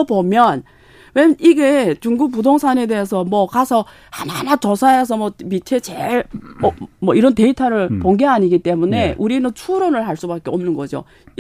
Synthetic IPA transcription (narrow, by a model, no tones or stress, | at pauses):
bomjʌn | we̞iɡe̞t͡ɕuŋɡuk̚p̬udoŋsʰane̞de̞es̬ʰʌmwʌkasʰʌ | hannat͡ɕʌsʰaes̬ʰʌmʌmitʰet͡ɕeɭ | mʌiɾʌnte̞itʰaɾɯɭpoŋɡeaɲiɡit͈e̞mune̞ʔuɾinɯnt͡ɕʰuɾʌnɯɭɦaɭs͈ubak͈e̞ʌmnɯnɡʌd͡ʑo̰